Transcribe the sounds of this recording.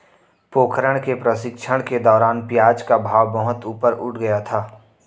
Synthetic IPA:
poːkʰɾəɽ̃kepɾəsɪkʃʰəɽ̃ked̪ɔːɾaːnpjaːd͡ʒkabʱaːwbəɦʊt̪uːpəɾʊʈʰɡəjat̪ʰaː

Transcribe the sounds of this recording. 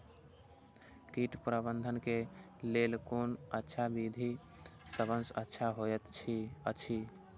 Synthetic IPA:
kiʈpɾəbənd̪ʱənke | lelkonətːʃʰabid̪ʱi | səbənsə̰tːʃʰaɦoɛt̪t͡ʃʰiət͡ʃʰi

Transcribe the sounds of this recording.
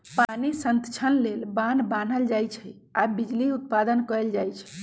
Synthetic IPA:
panisənt̪t͡ʃʰənlelbanban̤əld͡ʒajt͡ʃʰɛ | abid͡ʒliut̪̚pad̪ənkəld͡ʒajt͡ʃʰ

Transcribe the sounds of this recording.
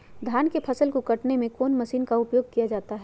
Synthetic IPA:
d̪ʱjaːnkepʰɐsəlkokɐʈnemẽkoːnmɐʃiːnkaʊpjoːɡ̚kijad͡ʒaːt̪aɦɛ

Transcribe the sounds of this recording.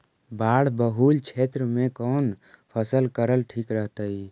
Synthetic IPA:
baːɽ̤bəɦuːlt͡ʃʰeːt̪ɾəmẽkɔːnpʰəsəlkəɾəlʈʰiːkɾəɦt̪ai

